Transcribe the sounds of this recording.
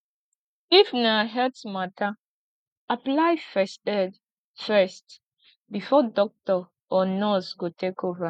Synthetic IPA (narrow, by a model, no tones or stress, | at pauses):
ifnaɦɛtsmatʰa | aplajfɛstɛd | fɛst | bifɔdɔk̚tɔ | ɔnɔsɡotekova